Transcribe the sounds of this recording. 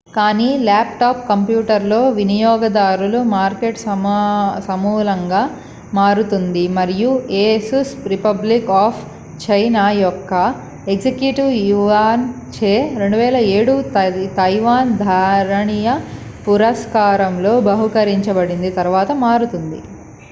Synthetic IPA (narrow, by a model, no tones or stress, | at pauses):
kaːniːlaːpʈaːp̚kɐmpjuːʈɐɾlo̞ːʋinijɔːɡɐd̪aːɾulumaːɾkeʈsɐmsɐmuːlɐŋɡaː | maːɾut̪und̪imɐɾijueːsusɾipɐblikaːpʰ | t͡ʃɐjnaːjɔkːɐ | eksekjuʈiʋjuʋaːn | t͡ʃeːɾe̞ɳɖuʋɛːlɐeːɽut̪ɐjʋaːnd̪ʱaːɾɐɳijɐpuɾɐskaːɾɐmlo̞ːbɐɦukɐɾiɲt͡ʃɐbɐɽind̪it̪ɐɾʋaːt̪ɐmaːɾut̪und̪ḭ